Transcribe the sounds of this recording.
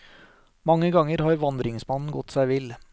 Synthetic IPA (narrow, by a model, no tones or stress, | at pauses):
mɑŋːəɡɑŋəɾhɑːɾʋɑnd̪ɾɪŋsmɑnn̩ɡɔt̪ːsæɪʋɪl